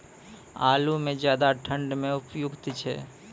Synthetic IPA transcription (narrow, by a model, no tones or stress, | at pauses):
a̰ːlumẽd͡ʒjaːd̪aʈʰə̃ɳɖmẽʊpjʊɡt̪t͡ʃʰɛ̰ː